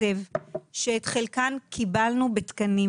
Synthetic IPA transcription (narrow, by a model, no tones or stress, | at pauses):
evʃeːt̪χelkankʰibalnubet̪kɐni